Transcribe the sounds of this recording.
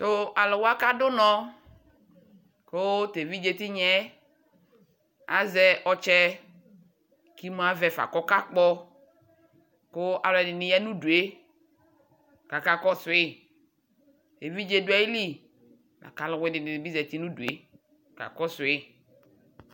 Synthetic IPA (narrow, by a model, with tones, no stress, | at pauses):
t̪o˦a˨lʊ˨wa˦ka˦dʊ˦nɔ̃˦ | ko˦t̪e˨vi˦d͡ʒe˨t̪i˦ɲɛ˦ | a̰˨zɛ˦ʔɔ˨t͡ʃɛ˦ | ki˦m˦a˦vɛ˨fa̰˨kɔ˦ka˦k͡pɔ˦ | kʊ˦a˨lɔ˨ɛ˨nɪ˨nɪ˨jɛ˦nũ˦du˨e˦ | ka˨ka˨kɔ˦sʊ˨ɪ˦ | te˨vi˦d͡ʒe˦dʊ˦ɛ˦ji˦li˦ | la̰˨ka˨˦lʊ˨wɪ˦dɪ˨nɪ˨bi˦zɛ˨t̪i˦nũ˦du˨e˨˦ | ka̰˨kɔ˦sʊ˨ɪ˦